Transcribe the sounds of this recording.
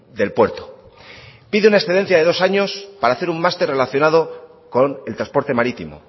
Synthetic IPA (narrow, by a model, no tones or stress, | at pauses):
d̪e̞lpwe̞ɾt̪o | piðeunaesθeðe̞n̟θjaðe̞ð̞o̞saɲo̞spaɾaːθeɾummast̪e̞ɾre̞laθjo̞nað̞o̞ | ko̞ne̞lt̪ɾaspo̞ɾt̪e̞maɾit̪imo̰